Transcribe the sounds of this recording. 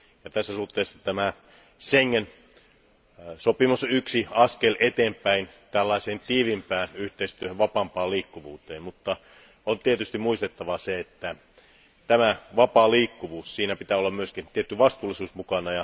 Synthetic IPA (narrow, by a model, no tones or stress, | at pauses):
jɑt̪æsːæsuht̪ːˑeˑːsːɑt̪æmæ | seŋːen | sopimusyksiɑskelet̪eːmpæint̪ælːɑˑiseːnt̪iːʋimpæːnyht̪eist̪yøhøʋʋɑpɑmpɑːliːkːuʋuːt̪eːmmut̪ːɑ | ont̪iet̪yst̪imuist̪et̪ːɑʋɑseet̪ːæ | t̪æmæʋɑpɑːliːkːuʋuːssiːnæpit̪æːolːɑmmyøskint̪iet̪ːyʋɑst̪uːlːˑisuːsmukɑnɑjɑ